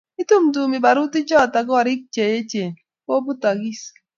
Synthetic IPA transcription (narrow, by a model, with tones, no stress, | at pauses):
ɪ˦tu˦mtu˨mɪ˨ba˨ɾʊ˦tɪ˦d͡ʒɔ˦˨ta˨ɡɔ˦˨ɾɪ˦k̚t͡ʃe˨je˦t͡ʃe˨n | ko˦bʊ˦ta˨ɡi˦s